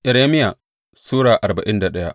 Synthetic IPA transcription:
ʔɛ˨ɾeː˦mɪ˦ja˨ | suː˦ɽaː˨ʔa˨ɾba˨ʔɪ˦nda˨ɗɐ˦ja̰˦ʔ

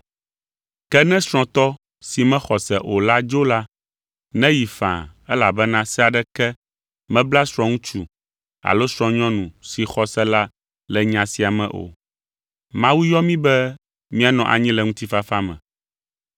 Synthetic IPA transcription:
kɛ˦nɛ̃˦sɾ̃ɔ̃˨t̪ɔ˦ | si˨mɛ̃˦xɔ˨sɛ˨ʔo˨la˦d͡ʒo˦la˦ | nɛ̃˦ji˨fã̰˨ɛ˦la˨bɛ˦nã˦sɛ˦a˨ɖɛ˦kɛ˦ | mɛ̃˦bla˦sɾ̃ɔ̃˦ŋũ˦t͡ʃu˨ | a̰˨lo˦sɾ̃ɔ̃˨ɲɔ̃˦nũ˨si˨xɔ˦sɛ˦la˦ | lɛ˨ɲã˨si˨a˨mɛ̰̃˨ʔo̰˨ | mã˦wu˦jɔ˦mĩ˦bɛ˦ | mĩ˦a˨nɔ̃˨ʔa̰˨ɲĩ˦lɛ˨ŋũ˦t̪i˦fa˦fa˦mɛ̰̃˨

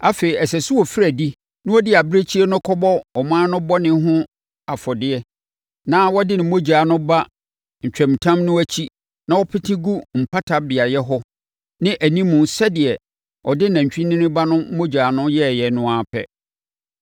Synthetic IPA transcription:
a˦fe˨i˨ɛ˨sɛ˨sʊ˦wɔ˨fɾæ˨di˦ | nʊ̃˦ɔ˦dɪ˦a˨bɾe˦t͡ɕʰi˦ɛ˦nʊ̃˦kʰɔ˦bɔ˦ɔ˨mãː˦nʊ̃˦bɔ˦nɪ̃˦ɦʊ̃˦ | a˨fɔ˨dɪ˦ɛ˦ | nãː˦wɔ˦dɪ˦nɪ̃˨mo˦d͡ʑaː˨nʊ̃˦ba˦ | ɲ̩˨t͡ɕᶣɛ̃˨m˨tʰã˦mnʊ̃˦æ˦t͡ɕʰi˦ | nã˨wɔ˦pʰɪ˦tʰɪ̃˦ɡu˦m̩˨pʰa˦tʰa˦bɪ˨a˨jɛ˦ɦɔ˦ | nɪ̃˦ʔæ˨nĩ˦mʊ̃˨n̩˨sɛ˦dɪ˨ɛ˨ | ɔ˨dɪ˦nã˨ɲ̩˨t͡ɕᶣĩ˦nɪ̃˦nɪ̃˦ba˦nʊ̃˦mo˦d͡ʑaː˨nʊ̃˦jɛ˦˨jɛ˨nʊ̃˦a˨pʰɛ̰˦

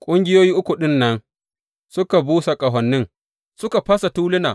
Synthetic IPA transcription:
kʷʼʊ˦ŋɡʲɪ˦joː˦jiː˦ʔʊ˦kʷʊ˨ɗɪ˦nːɐ˦n | sʊ˦ka˨buː˦sa˨kʼɐ˨ɦɔ˨nːɪ˦ŋ | sʊ˦ka˨ɸɐ˦sa˨tuː˦lɪ˦na̰ː˨

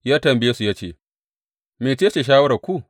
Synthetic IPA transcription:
jaː˦tɐ˨mbɪ˦jeː˦su˨jaː˦t͡ʃeː˦˨ | meː˨t͡ʃeː˦t͡ʃe˨ʃ̬aː˦wɐ˦ɽɐ˨kʷu˦

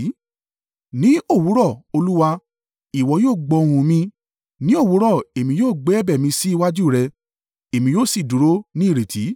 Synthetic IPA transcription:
nĩ˨˦o˦˨wu˨˦ɾɔ˦˨o˧lu˦wa˧ | i˨wɔ˨˧˦joː˦˨ɡ͡bɔ˧ɾ̃ũ˨mĩ˧ | nĩ˦o˦˨wu˨˦ɾɔ˦˨e˨mĩ˧˦joː˦˨ɡ͡bɛ˨˦bɛ˦˨mĩ˧si˦i˦˧wa˦d͡ʒu˦˨ɾɛ˧ | e˨mĩ˧joː˦˨si˨du˨˦ɾo˦nĩ˦˨ɾe˨tʰi˨˦

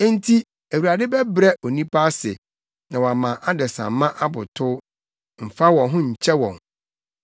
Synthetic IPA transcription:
n˦tʰi˦ | æ˨wu˨ɾa˨dɪ˦bɛ˦bɾɛ˦ʔɔ˨nĩ˦pʰa˦sɪ̰˨ | nã˨wɔ˨a˨mã˨ʔa˦dɛ˨sã̰˨m˦mːã˦ʔa˦bʊ̰˨tʰʊ˦ | m̩˨fa˦wɔ̃˨ɦʊ̃˦ɲ̩˨t͡ɕʰɛ˦wɔ̰̃˨ŋ

